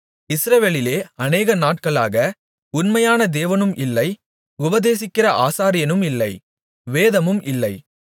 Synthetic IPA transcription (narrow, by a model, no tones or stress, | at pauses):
ɪsɾɐʋeːlɪleːɐneːɣɐnaːʈ̚kɐɭa̰ːɣɐ | ʊnmɐjaːnɐd̪eːʋɐnɯmʔɪlːɐɪ | ʊbɐðeːsɪkːɪrɐʔaːsaːɾɪjɐnɯmɪlːɐɪ | ʋeːðɐmɯmʔɪlːɐɪ